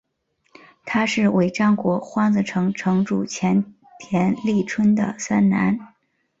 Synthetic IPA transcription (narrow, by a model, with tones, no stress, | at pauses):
t̪ʰa˥ʂɻ̩˥˩we˧˨˩ɪʈ͡ʂɑ˥ŋkwɔ˧˥xwɑ˥ŋd͡z̩˨˩ʈ͡ʂʰɤ˧˥ŋʈ͡ʂʰɤ˧˥ŋʈ͡ʂṵ˨˩t͡ɕʰjɛ˧˥n | t̪ʰjɛ˧˥nli˥˩ʈ͡ʂʰwə˥nd̪ə̰˨sa˥nna̰˧˥n